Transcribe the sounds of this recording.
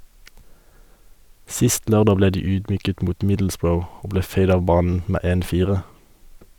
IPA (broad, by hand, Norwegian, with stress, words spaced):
ˈsɪst ˈløːʁˌdɑː ˈbleː ˈdiː ˈyːdˌmyːkət ˈmuːt ˈmɪdl̩sˌbɹəʊ ˈoː ˈbleː ˈfæɪd ˈɑːʋ ˈbɑːnn̩ ˈmeː ˈeːn ˈfiːʁə